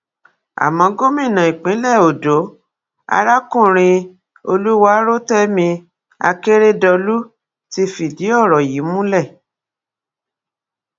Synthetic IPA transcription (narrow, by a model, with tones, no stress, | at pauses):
a̰˨mã˨˦ɡo˦mĩ˦˨nã˨i˨k͡pĩ˨˦lɛ˦˨o˨do˨˦ | a̰˧ɾa˦kũ˦˨ɾ̃ĩ˧ | o˧lu˦wa˦ɾo˦tɛ˦mĩ˧ | a̰˧ke˦ɾe˦dɔ˧lu˦ | ti˧fi˨di˨˦ɔ˦˨ɾɔ˨ji˨˦mũ˦lɛ˦˨